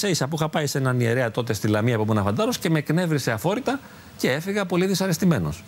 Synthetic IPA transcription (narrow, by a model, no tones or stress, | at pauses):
seisɐpuixɐpɐisenɐnieɾeɐt̪o̞t̪e̞st̪ilɐmiɐpomenɐfɐnd̪ɐɾo̞sce̞me̞kne̞vɾise̞ɐfo̞ɾit̪ɐ | ce̞e̞fiɣɐpo̞liðisɐɾe̞st̪ime̞no̞̰s